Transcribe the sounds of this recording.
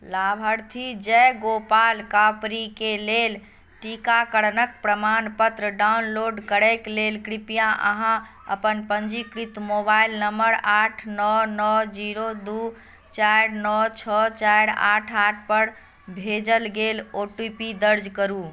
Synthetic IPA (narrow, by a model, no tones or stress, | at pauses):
labʱəɾt̪ʰid͡ʒɛɡopalkapɾikelel | ʈikakəɽnək̚pɾəmanpət̪ɾəɖawnloɖkəɽɛklelkɾipijãʔə̰ɦã | ə̰pənpənd͡ʒikɾit̪mobailnəmbəɾaʈʰnɔnɔd͡ʒiɾod̪u | t͡ʃaɽnɔt͡ʃʰɔt͡ʃajɽa̰ʈʰaʈʰpəɾ | bʱed͡ʒəlɡeloʈupid̪əɾd͡ʒkəɾu